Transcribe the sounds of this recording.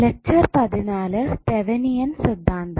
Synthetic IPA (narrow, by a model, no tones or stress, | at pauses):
lek̚t͡ɕɐrpɐðinaːlɨt̪eʋɐnijɐnsid̪ːaːnd̪ɐ